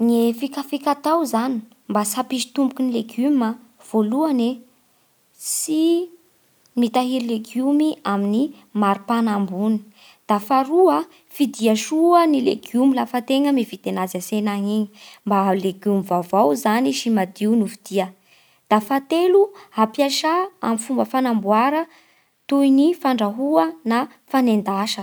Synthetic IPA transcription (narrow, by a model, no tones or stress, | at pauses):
ŋefikafikat̪awzani̥ | mbasapiʃi̥t̪umbukunileɡumə | v̥oluane | si | mit̪aɦiɾileɡumiamini | maɾupanambuni̥ | d̪̥afaɾuə | fid̪iəʃuənilḛɡjumilafət̪eŋəmivit̪enazasenaŋiɲimbaleɡumivavawzaniʃimad̪iunuvid̪̥iə | d̪̥afat̪eluhapjaʃaa̰mifumbəfanambuaɾə | t̪ujnifaɳɖ͡ʐaɦuəna | fanend̪aʃə